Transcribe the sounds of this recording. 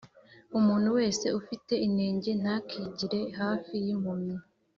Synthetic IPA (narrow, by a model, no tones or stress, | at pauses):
umuːn̥huwe̞ːse̞ufite̞ine̞ːɲɟe̞n̥hakʰiɟiɾe̞ɦaːfijimumi